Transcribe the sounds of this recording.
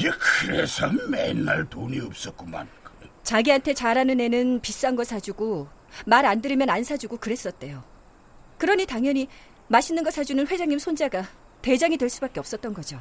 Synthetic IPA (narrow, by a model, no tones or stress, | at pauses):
jikʰɯɾesʰʌmmḛnːaɭtoniʌp̚s͈ʌk͈oma̰nkt͡ɕaɡiɦantʰe̞t͡ɕaɾanɯne̞nɯnpis͈uɦanɡʌsʰad͡ʑuɡo | maɾandɯɾimjʌnansʰad͡ʑuɡokɯɾe̞s͈ʌt̚t͈e̞jo | kɯɾʌɲitaŋjʌɲi | maɕʰinːɯnɡʌsʰad͡ʑunɯnɸwe̞d͡ʑaŋɲimsʰond͡ʑaɡa | te̞d͡ʑaŋidwe̞ɭs͈ubak͈e̞ʌp̚s͈ʌt̚t͈ʌnɡʌd͡ʑo